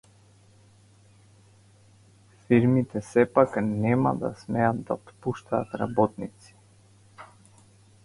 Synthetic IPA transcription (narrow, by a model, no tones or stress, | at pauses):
fiɾmit̪ɛsɛpaknɛma̰d̪a̰smɛad̪d̪at̪puʃt̪aːt̪ɾa̰bɔt̪nit̪si̥